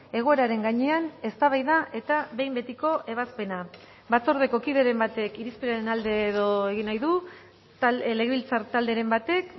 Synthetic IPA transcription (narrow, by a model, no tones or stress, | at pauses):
e̞ɣ̞o̞e̞ɾaɾe̞ŋɡaɲe̞ane̞st̪aβajðaʔe̞t̪aβe̞jmbe̞t̪iko̞ʔe̞βaspe̞na | βat͡so̞ɾð̞e̞ko̞kiðe̞ɾembat̪e̞kiɾispeɾaɾenald̪e̞ːðo̞eɣ̞inajðu | le̞ɣeβilt͡saɾt̪ald̪e̞ɾe̞mbat̪e̞k